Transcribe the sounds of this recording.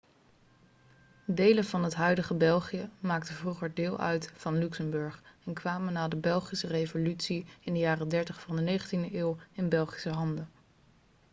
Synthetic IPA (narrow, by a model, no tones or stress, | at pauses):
dejlənvɑnɦətɦœɥdəχəbɛlˠχijəmaːktəvruχəɹdɪːlˠʔœ̰ɥtfɑnlyksəmbɵɹχɛnkʋaːmənaːdəbɛlˠχisərejvolytsiɪndəjaːrədɛɹtəχfɑndənejχəntindəʔɪːwɪnbɛlˠχi̥səɦɑndə